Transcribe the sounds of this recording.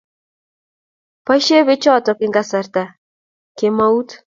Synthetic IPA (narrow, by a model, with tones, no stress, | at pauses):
pa˦ʃe˦βe˦t͡ʃɔ˦˨tɔ˨kɪ˦ŋɡa˦sa˨ɾta˨ | ke˨ma˦u˦t